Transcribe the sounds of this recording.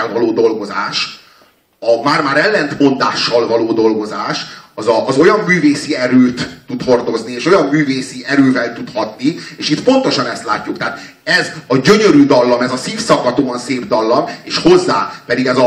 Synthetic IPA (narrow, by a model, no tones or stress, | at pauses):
ɛlvɒloːd̪o̞lɡo̞zaːʃ | ɒmaːrmaːɾɛlːɛnt̪mo̞nd̪aːʃːɒlvɒloːd̪o̞lɡo̞zaːʃɒzɒʔːzo̞jɒmːyːveːsiɛɾøːt̪ːut̪ho̞rd̪o̞znieːʃo̞jɒmːyːveːsiɛɾøːvɛlt̪ut̪hɒt̪nieːʃit̪po̞nt̪o̞ʃɒnɛst̪laːcːukt̪ɛːt̪ | ɛzɒɟø̞ɲø̞ɾyd̪ɒlːɒmɛzɒsiːfsɒkːɒt̪oːɒnseːbd̪ɒlːɒmeːʃho̞zːaːpɛd̪iɡɛzɒ